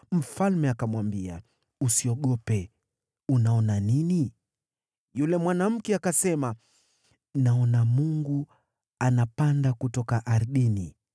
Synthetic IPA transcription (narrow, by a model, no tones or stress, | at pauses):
m̩falmɛakamwambia | usiɔɠɔpɛ | unaɔnanini | julɛmwanam̩kɛakasɛma | naɔnamuŋɡu | anapandakutɔkaʔaɾɗini